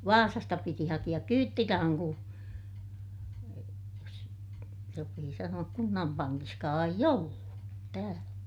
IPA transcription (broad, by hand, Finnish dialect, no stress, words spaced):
ʋɑːsɑstɑ piti hɑkij̆ɑk kyːtːirɑhɑŋ ku jos sopiː sɑnuɑk kunːɑm pɑŋkiskɑː eij olːu tæːlæ